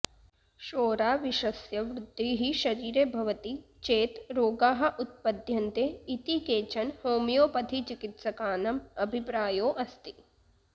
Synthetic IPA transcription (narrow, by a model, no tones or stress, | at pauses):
ʃoːɾaːʋiʃɐsjɐʋɾʊd̪ʱːiɦiʃɐɾiːɾebʱɐʋɐt̪i | t͡ʃeːt̪ɾoːɡaːɦɐ̆ʔut̪̚pɐd̪ʱjɐnt̪eit̪ikeːt͡ʃɐnhoːmjoːpɐd̪ʰʱit͡ʃikit̪sɐkaːnɐmɐbʱipɾaːjoːʔɐst̪i̥